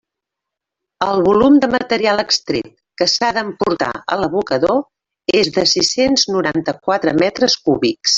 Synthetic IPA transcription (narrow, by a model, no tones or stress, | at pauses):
əlˠβulumd̪əmət̪əɾialˠəkst̪ɾḛt̪̚ | kəsaðəmpuɾt̪a̰ə̰ləβukəðo | ezðəsisenznuɾant̪əkwat̪ɾəmɛt̪ɾəskuβiks